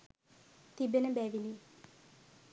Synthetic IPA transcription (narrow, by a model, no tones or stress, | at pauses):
t̪ibenəbɛːʋini